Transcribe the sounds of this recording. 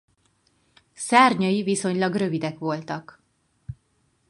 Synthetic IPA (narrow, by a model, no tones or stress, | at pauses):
sɛrɲɒjiviso̞ɲlɒɡrø̞vid̪ɛkʋo̞lt̪ɒk